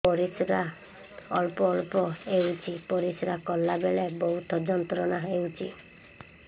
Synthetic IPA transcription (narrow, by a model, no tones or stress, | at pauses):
pɔɾisɾa | ɔlpɔːɭpɔewt͡ʃʰipɔɾisɾakɔlːabelebɔɦut̪ʰɔd͡ʒɔnt̪ɾɔnaɦewt͡ʃʰi